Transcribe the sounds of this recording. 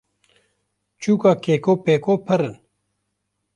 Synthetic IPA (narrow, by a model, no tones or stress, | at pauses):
t͡ʃuːkakeːkoːpeːkoːpʰɐɾən